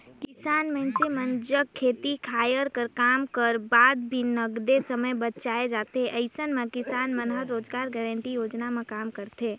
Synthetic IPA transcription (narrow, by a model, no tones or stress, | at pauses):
kɪsaːnmɛ̃nsemənd͡ʒəkkʰːeːt̪ikʰaːjəɾkəɾkaːmkəɾbaːd̪̚bʱinəɡd̪esəməjbətt͡ʃaːed͡ʒaːt̪eʔəɪsənmẽkɪsaːnmənɦəɾːoːd͡ʒɡaːɾɡɛːɾə̃ɳʈijoːd͡ʒnamẽkaːmkəɾt̪eː